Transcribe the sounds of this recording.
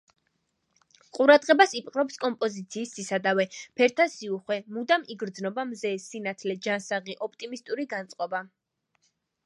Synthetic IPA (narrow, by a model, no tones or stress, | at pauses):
qʼuɾad̪ʁɛbasipʼqʼɾɔpskʼɔmpʼɔzit̪sʰiːsːisad̪avɛpʰɛɾt̪ʰasiuχwɛmud̪amiɡɾd̪znɔbamzɛːsinat̪ʰlɛd͡ʒansaʁiʔɔp̚ʰt̪ʼimist̪ʼuɾiɡant̪sʼqʼɔba